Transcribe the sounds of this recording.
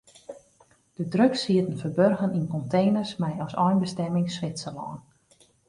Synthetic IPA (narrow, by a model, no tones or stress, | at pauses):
d̥ədrøksiətən̩fərbørɣəninkɔntʰejnərsmɛjɔsɔjnbəstɛmɪŋsʋɪsəlɔːn